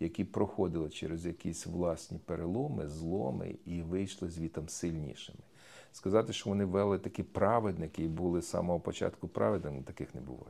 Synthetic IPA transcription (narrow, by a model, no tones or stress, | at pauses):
jɐkʲipɾɔxɔd̪ɪlˠɪt͡ʃɛ̰ɾezjɐkʲisʲʋlˠɑsʲnʲipeɾelˠɔmɪ̰zlˠɔ̰mɪ̰iʋɪjʃlˠɪzʲʋʲit̪ɐmsɪlʲnʲḭʃɪmɪ̥ | skɐzɑt̪ɪʃt͡ʃɔʋɔnɪʋɛlˠɪt̪ɐkipɾɑʋed̪nɪkɪibulˠɪsɑ̰mɔɦɔpɔt͡ʃɑ̰t̪kʊpɾʔɑ̰ʋed̪nɪnt̪ɐkɪxnebʊ̰ʋɑ̰j